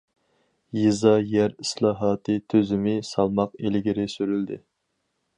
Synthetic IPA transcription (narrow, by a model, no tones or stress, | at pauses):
jizɑjæɾislˠɑːɦɑːt̪ʰɨt̪ʰøzɪmɪsɑlˠmɑqelɡʲɪɾɪsyɾyld̪ɪ̰